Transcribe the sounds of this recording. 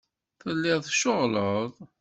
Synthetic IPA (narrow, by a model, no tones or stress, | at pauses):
θəlːɪðˤʃoʁləðˤ